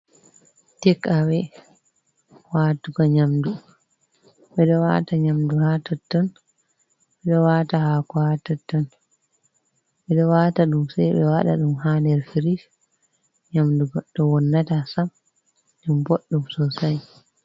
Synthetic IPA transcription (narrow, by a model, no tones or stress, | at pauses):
tɛkːawɛ | watuɡɔɲamdu | ɓɛɗɔwa̰taɲamduhatɔtːɔn | ɓɛɗɔwatahakɔhatɔtːɔn | ɓɛɗɔwataɗumsajɓɛwaɗa̰ɗumhandɛɾfiɾis | ɲamduɡɔɗɔwɔnːatasam | ɗumboɗːumsɔsaj